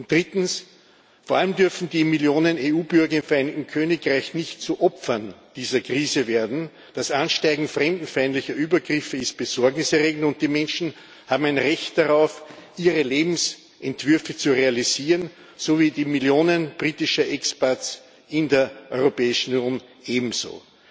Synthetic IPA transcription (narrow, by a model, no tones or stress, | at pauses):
ʊntd̥ʁɪtn̩s | foɐaləmdʏɐfn̩diːmɪljoːnəneuːbʏɐɡɐɪmfɛɐæɪnɪk̚tn̩kʰøːnɪkʁaɪçnɪçtt͡suʔɔpfɐnd̥iːzɐkʁ̥iːzəveːɐdn̩ | d̥asʔanʃtaɪɡŋ̩fʁɛmdn̩faɪntlɪçɐʔyːbɐɡʁɪfəɪst̚b̥əz̥ɔɐɡnɪsɛɐʁeːɡŋ̩tʊ̃nt̚d̥iːmɛnʃn̩ | haːbm̩æɪnʁɛçtd̥aʁaʊfʔiːʁəleːbm̩s | ʔɛntv̥ʏɐfət͡suʁealiziːʁən | soviːdiːmiljoːnənb̥ʁiːtɪʃɐʔɛkspɛɐts | ɪndeːɐʔɔʏʁopɛːɪʃn̩njoːnʔeːbm̩zo̰ː